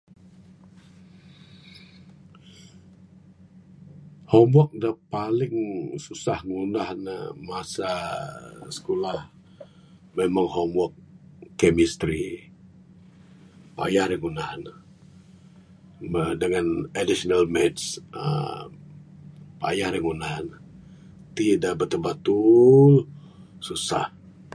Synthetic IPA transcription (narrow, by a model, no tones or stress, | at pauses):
hɔmwɔk̚dapalɪŋsusahŋunahnə̰masa | sə̥kolah | memaŋhɔmwɔkkːemist̪ɾi | pa̰jaɾjaŋunahn | mədəŋanadisnalmɛtsə̰ | pa̰jaɾjaŋunahn | t̪idaʔbərt̪əbat̪ul | susa̰h